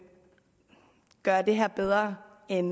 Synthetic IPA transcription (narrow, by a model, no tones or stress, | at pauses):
ɡ̥ɶɐd̥e̝ɦeɐb̥eð̞ˠʁɐ | en